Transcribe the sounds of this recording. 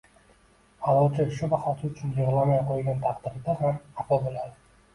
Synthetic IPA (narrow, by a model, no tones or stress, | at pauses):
alˠɒwt͡ʃʰaʃʊbaχɒt̪ʰɪʊt͡ʃʰʊnjɨʁlˠamajqʰojɡʲant̪ʰɑqd̪ɪɾd̪ahamapɒbolad̪ɪ